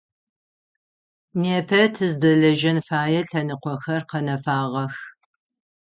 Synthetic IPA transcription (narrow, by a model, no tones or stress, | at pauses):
neːpʰɐtʰɨzdɐɮɐʒɐnfaːjɛɬɐnɨqʷɔxɐrqɐnɐfaːʁɐx